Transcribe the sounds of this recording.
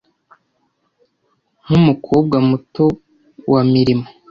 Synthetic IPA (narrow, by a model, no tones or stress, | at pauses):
n̥umukʰoːb̚ɡamuto | wamiɾimo